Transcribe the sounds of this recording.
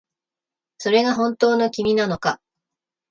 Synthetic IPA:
so̞ɾe̞ɡaɦõ̞nt̪o̞ːno̞kʲimʲinano̞ka

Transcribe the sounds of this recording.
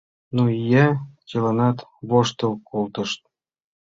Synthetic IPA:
nuijæt͡ɕɤ̆lɑnɑt̪βoʂt̪ɤ̆lkolˠt̪ɤ̆ʃt̪̚

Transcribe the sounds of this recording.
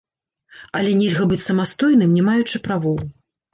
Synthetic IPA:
ɐlʲɛnʲɛlʲɣɐbɨt͡sʲsɐmast̪ɔjnɨmnʲɛmajut͡ʂɨpɾavɔw

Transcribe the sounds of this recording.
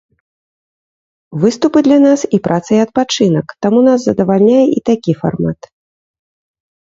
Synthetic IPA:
vɨst̪upɨd̪lʲanasipɾʔat̪sɐjɐt̪̚pat͡ʂɨnɐkt̪amunaszɐd̪ɐvalʲnʲajɛit̪akʲifa̰rmat̪

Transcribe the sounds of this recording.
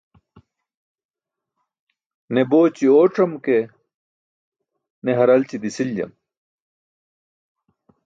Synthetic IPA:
neboːt͡ɕioːʈ͡ʂɐmke | neɦɐɾɐlt͡ɕid̪isild͡ʑɐ̰m

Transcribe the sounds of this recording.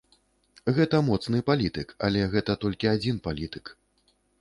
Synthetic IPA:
ɣɛt̪ɐmɔt̪snɨpalʲit̪ɨka̰lʲɛɣɛt̪ɐt̪ɔlʲkʲiad͡zʲinpalʲit̪ɨ̥k

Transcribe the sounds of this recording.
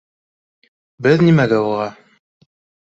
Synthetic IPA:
bɘðnimæɡæuʁɑ

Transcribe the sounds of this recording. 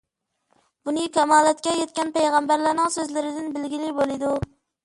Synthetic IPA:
bʊnɪkʰʲamɑlˠat̪̚kʲɛjet̪̚kʲanpajʁambaɾlaɾnɪŋsɵzlɪɾɪd̪ɪnbɪlɡʲilɪbolˠɪd̪ʊ

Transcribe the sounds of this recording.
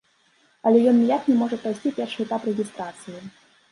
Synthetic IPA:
ɐlʲɛjɔnːʲijaknʲɛmɔʐɐpɾajsʲt͡sʲipʲɛrʂɨɛt̪aprɛɣʲist̪ɾat̪sɨji

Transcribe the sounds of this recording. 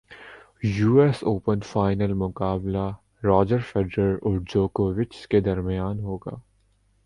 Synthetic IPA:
juːɛsoːpənfaːɪnəlmʊkaːbla | ɾɔːd͡ʒəɾfeɖɾəɾʊʈd͡ʒoːkoːʋɪt͡ʃked̪ɐɾmɪjaːnɦoːɡa̰ː

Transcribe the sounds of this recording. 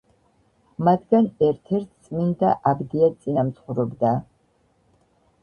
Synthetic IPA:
mat̪ʰɡanɛɾt̪ʰɛɾt̪̚ʰt̪sʼmind̪aʔabd̪iasʼinamt̪sʰχuɾɔbd̪a

